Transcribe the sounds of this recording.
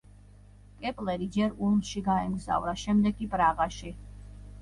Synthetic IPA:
kʼɛpʼlɛɾid͡ʒɛɾulˠmʃiɡaɛmɡza̰vɾaʃɛmd̪ɛɡkʼipʼɾaʁaʃi

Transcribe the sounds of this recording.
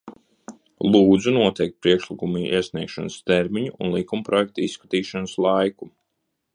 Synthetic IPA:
lˠuːd̪zunuɔt̪ɛjk̚t̪̚pɾiɛkʃlikumiːiɛsniɛkʃanst̪ɛɾmiɲuunlˠikumpɾɔjɛk̚t̪aisːkat̪iːʃanəslˠajku

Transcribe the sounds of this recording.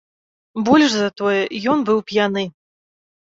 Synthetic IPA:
bɔlʲʂzɐt̪ɔjɛjɔnbɨwpʲjanɨ

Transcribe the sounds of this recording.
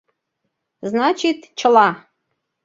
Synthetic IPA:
znat͡ʃit̪t͡ʃʰəlˠɑ

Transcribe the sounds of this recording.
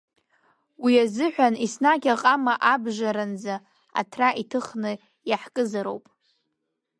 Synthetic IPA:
wiazɨħʷᶣanisnaɡʲaqʼamaʔabʒaɾand͡za | a̰tʰraʔitʰɨχnɨ | jaħkʼɨzaɾo̰wpʼ

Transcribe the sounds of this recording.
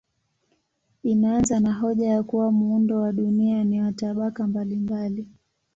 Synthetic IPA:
inaanzanaɦɔʄajakuwamuundɔwaɗunianiwataɓakambalimbali

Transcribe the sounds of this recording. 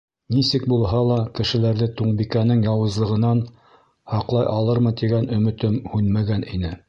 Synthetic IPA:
nisɘk̚bulˠɦɑlˠɑkɘ̆ʃɘ̆læɾðɘt̪uɴbikænɘŋjɑwɤ̆zlˠɤ̆ʁɤ̆nɑn | hɑqlˠɑjʔɑlˠɤɾmɤt̪iɡænɵ̆mɘ̆t̪ɘmhʉnmæɡænʔinɘ

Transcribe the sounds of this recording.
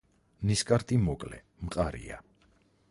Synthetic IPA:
niskʼaɾt̪ʼimɔkʼlɛ̰ | mqʼaɾḭa̰

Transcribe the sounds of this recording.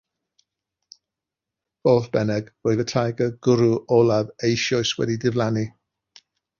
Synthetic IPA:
v̥oːθb̥ɛnɛɡvoɨvətʰajɡəɡʊɾuʔɔlˠavejʃɔɨswɛ̰didɪvlˠani

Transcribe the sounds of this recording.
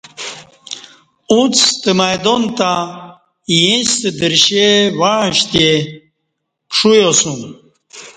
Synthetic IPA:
ũt͡st̪əmajd̪ont̪a | jĩst̪əd̪əɾɕewaɻ̃ɕt̪e | ʂujosun

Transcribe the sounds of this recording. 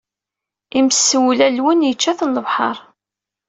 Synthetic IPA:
iməsːəwlælwənjət͡ʃːæθənləvħə̰ɾˤ

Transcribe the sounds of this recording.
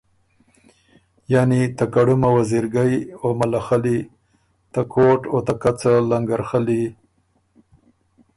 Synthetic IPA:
janit̪akaɽumawaziɾɡajomalaxali | t̪akʰoʈot̪akat͡salaŋɡaɾxali

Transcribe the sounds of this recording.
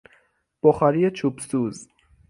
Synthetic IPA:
b̥oχaɾijet͡ʃʰubsuːz

